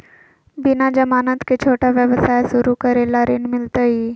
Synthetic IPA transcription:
binad͡ʑəmaːnət̪kʰet͡ɕʰoːʈaʋjəʋsajsuɾukəɾelaɾenmɪlt̪əi

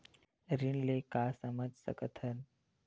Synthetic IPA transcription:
ɾinlekaːsəməd͡ʒsə̰kət̪ʰən

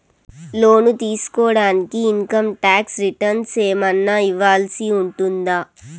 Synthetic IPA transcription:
lo̞ːnut̪iːsu̥kɔːɽaːnikiːŋkɐmʈaːksɾiʈɐɾnseːmɐnːaiʋːaːlsiuɳʈund̪aː

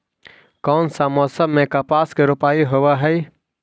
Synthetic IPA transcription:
kɔːnsamɔːsəbmẽkapaːskeɾʊpaːiɦoʋaɦɛj

